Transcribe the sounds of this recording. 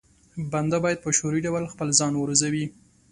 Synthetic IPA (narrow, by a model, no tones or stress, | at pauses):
band̪abɑjad̪̚pəʃoɾiɖawalxpəlzɑnwəɾozawi